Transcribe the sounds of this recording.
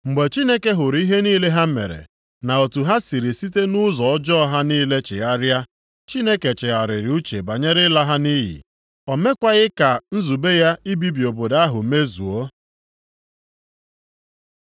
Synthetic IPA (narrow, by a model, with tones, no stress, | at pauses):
ŋ͡m̩˨ɡ͡be˨t͡ʃi˦ne˦ke˦ɦʊ˨ɾi˦ɦe˦niː˦le˦ɦa˦mḛ˨ɾḛ˨ | na˨o˨tu˨ɦa˦si˨ɾi˨si˦te˦nʊ˦zɔ˨ɔ˦d͡ʒɔ˦ɦa˦niː˦le˦t͡ʃɪ̰˨a˦ɾja˦ | t͡ʃi˦ne˦ke˨t͡ʃɪ˨a˨ɾɪ˨ɾu˦t͡ʃe˨ba˨ɲe˦ɾɪ˦la˦ɦa˦ni˦ɦḭ˨ | ɔ˨me˦kʷa˦ɣɪ˦ka˨n̩˦zu˨be˦ja˦i˦bi˦bi˨o˨bo˨da˦ɦʊ˨˦me˦zṵ˨o˦